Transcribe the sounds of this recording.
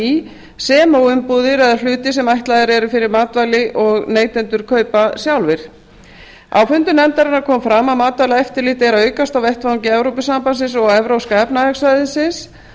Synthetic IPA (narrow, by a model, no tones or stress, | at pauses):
sɛːmowʏmpuːðɪɾɛðaɾl̥ʏːt̪ɪsɛmajht̪lajðɪɾɛɾʏfɪɾɪɾmaːt̪vajlɪʔɔɣneːjt̪ɛnt̪ʏɾ̥kʰœːɥpasjawlvɪɾ̥ | a̰wfʏnt̪ʏnɛmt̪aɾɪnakʰɔːmfɾaːmamaːt̪vajlaɛft̪ɪɾliːht̪ɛɾaœːɥkast̪awvɛht̪vaɲcɪɛvɾowpɪsampansɪnsɔɣɛvɾawskaɛpnaɛksvajðɪsɪns